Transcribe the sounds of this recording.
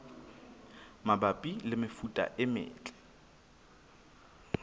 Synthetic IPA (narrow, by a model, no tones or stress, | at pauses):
mabapʼilɪmɪfutʼa̰ʔɪmɪ̰ːt͡ɬʼɛ̥